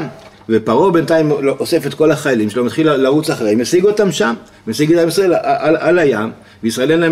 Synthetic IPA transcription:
m | vepaʁo̞be̞nt̪aimloʔose̞fe̞t̪ko̞laχajalimʃelomat̪χilalːaʁut͡saχʁejmesiɡo̞tamʃam | mesiɡetamisʁaelaʔalalajam | veisʁae̞lena

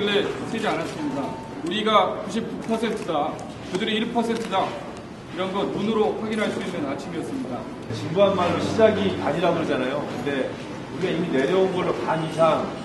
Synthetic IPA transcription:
ɭːe̞sʰed͡ʑianas͈ɯmɲida | uɾiɡakuɕ̬ʰip̚kupʰʌsʰe̞ntʰɯda | kɯdɯɾiiɭpʰʌsʰe̞ntʰɯda | iɾʌnɡʌtːunɯɾoɸwaɡinɦaɭs͈uinːɯnat͡ɕʰimiʌs͈ɯmɲida | t͡ɕinbuɦanmaɾoɕʰid͡ʑaɡikad͡ʑiɾabod͡ʑanajokɯnde̞ | uɾiɡaimine̞ɾjʌunɡʌɭːokaɲisʰaŋ

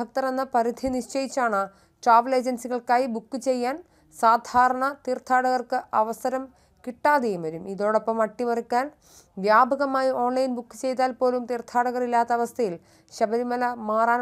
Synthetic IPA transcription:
ɐk̚t̪ɐrenːɐpɐɾid̪ʱiniʂt͡ɕɐjit͡ɕːaːɳɨ | ʈraːʋɐle̞ːd͡ʑensiɣɐɭkaːjibukːɨt͡ɕe̞jːaːn | saːd̪ʱaːɾɐɳɐt̪iːrt̪ʰːaːɽɐɣɐrkɨʔɐʋɐsɐɾɐm | kiʈːaːðejumʋɐɾumiðo̞ːɽopːɐmɐʈːimɐrikʲːaːn | ʋjaːbʱɐɣɐmaːjiʔo̞ːnlɐjnbukːɨ̥t͡ɕe̞jt̪̬aːlpo̞ːlumt̪iːrt̪ʰaːɽɐɣɐrilːaːt̪ːɐɐʋɐst̪ʰɐjil | ɕɐbɐðimɐlɐmaːraːn

